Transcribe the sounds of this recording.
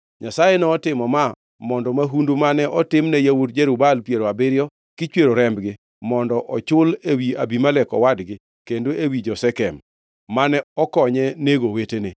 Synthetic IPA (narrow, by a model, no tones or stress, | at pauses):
ɲasajɛnɔːtɪmɔma | mɔndɔmaɦundumanɛʔɔtɪmnɛjawutd͡ʒeɾubalpjeɾoabɪɾjɔ | kɪt͡ʃweɾoɾɛmbɡɪ | mɔndɔʔɔt͡ʃʊlewiabimalɛkɔ̰wadɡɪ | kendoʔewid͡ʒɔsɛkɛmː | anɛɔkɔɲɛneɡowetenɪ